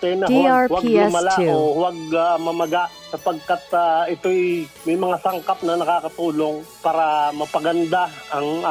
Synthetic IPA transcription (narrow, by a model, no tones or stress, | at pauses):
t̪ɛnɐwaɡmɐlaowaɡ̚amɐmɐɡaʔsɐpɐɡ̚kat̪aʔɪt̪oʔjmɐjmɐŋasɐŋkap̚nɐnɐkaːkɐt̪uːlo̞ŋpaːɾɐmɐpɐɡɐnd̪aɐŋa